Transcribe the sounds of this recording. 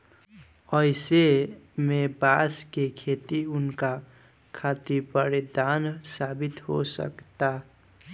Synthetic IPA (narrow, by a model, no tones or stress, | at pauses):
ʌjsemebaskekʰet̪iunka | kʰat̪ipəɾed̪ansabit̪ɦosʌ̰kt̪a